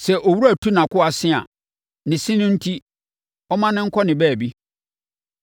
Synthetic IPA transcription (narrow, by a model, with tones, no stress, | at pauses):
sɛ˨ʔɔ˨wu˦ɾæ˨tʰu˦nã˨kʊ˦a˨sɪ̃˦a̰˨ | nɪ̃˨sĩ˦nʊ̃˦n̩˦tʰi˦ | ɔ˦mã˦nɪ̃˦ŋ̩˦kʰɔ˦nɪ̃˨bɛː˦˨bi˦